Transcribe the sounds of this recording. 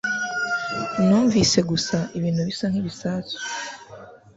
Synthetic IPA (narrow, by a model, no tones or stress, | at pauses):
nuːɱvise̞ɡusaʔiβiːnhuβisaŋ̥hiβisaːso̥